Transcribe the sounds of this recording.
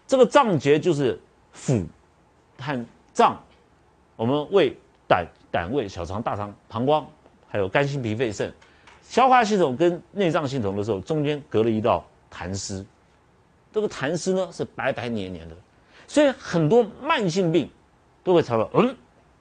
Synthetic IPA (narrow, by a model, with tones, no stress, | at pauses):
ʈ͡ʂɤ˥˩ɡə˩ʈ͡ʂɑ˥˩ŋt͡ɕjɛ˧˥t͡ɕjo˥˧ʊʂ̬ɻ̩˥˩ | fu˨˩ | t̪ʰa˥˧˩n | ʈ͡ʂɑ˥˩ŋ | wɔ˨˩mə˦nwe˥˩ɪ | t̪a̰˨˩˦n | t̪a̰˨˩nwe˥˩ɪɕjɑ˨˩ʊt͡sʰɑ˧˥ŋt̪a˥˩t͡sʰɑ˧˥ŋpʰɑ˧˥ŋkwɑ˥ŋ | xa˧˥ɪjo˨˩ʊka˥nɕi˥npʰi˧˥fe˥˧ɪʂə̰˥˩n | ɕjɑ˧˥ʊxwa˥˧ɕ̬i˥˩t̪ʰʊ˨˩˦ŋkə˥nne˥˧ɪʈ͡ʂɑ˥˧ŋɕ̬i˥˩nt̪ʊ˨˩ŋd̪əʂɻ̩˧˥xo˥˩ʊʈ͡ʂʊ˥ŋt͡ɕjɛ˥nkɤ˧˥lə˧˨i˧˥t̪ɑ˥˩ʊ | t̪ʰa˧˥nsɹ̩˥ | ʈ͡ʂɤ˥˩ɡə˩t̪ʰa˧˥nʂɹ̩˥nə˧ʂɻ̩˥˩pa˧˥ɪpa˧˥ɪnjɛ˧˥njɛ̰˧˥nd̪ə˧ | swɔ˧˥i˧˥xə˨˩nt̪̬wɔ˥ma˥˧nɕi˥˧ŋpi˥˩ŋ | t̪o˥ʊxwe˥˩ɑ˧˥ŋt̪ɑ˥˧˩ʔə˥˩